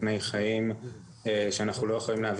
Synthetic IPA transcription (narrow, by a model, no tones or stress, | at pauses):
ne̞jχaim | eʃeanaχnulojeχolimleav